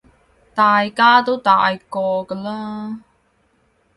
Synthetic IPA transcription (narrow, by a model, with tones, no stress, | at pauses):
t̪aː˨˩jkaː˥t̪o˥wt̪aː˨jkɔː˧kə˧laː˥